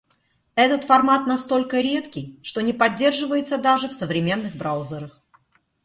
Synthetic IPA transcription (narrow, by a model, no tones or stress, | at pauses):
ɛt̪ət̪fɐrmat̪nɐst̪o̞lʲkəɾʲe̞t̪kʲɪjʂt̪o̞nʲɪpɐdʲːe̞rʐɨvəjɪt̪səd̪aʐɨfsəvɾʲɪmʲe̞nːɨɣbɾaʊzʲəɾəx